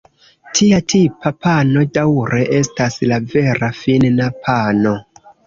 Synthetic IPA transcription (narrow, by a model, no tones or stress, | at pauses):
tʰiatʰipapʰano̞dawɾe̞ʔe̞staslave̞ɾafinnapʰano̞